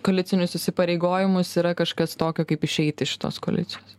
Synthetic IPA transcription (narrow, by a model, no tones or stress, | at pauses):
koːlʲɪsʲɪnʲʊsɪsʲɪpɐɾʲɛɪɡoːjɪmʊsiːɾɐkɐʃkɐst̪oːkʲɛkɐɪpɪʃʲɛɪt̪ʲɪʃʲɪ̥t̪o̰ːsko̰ːlʲɪ̰t̪sʲɪjoːs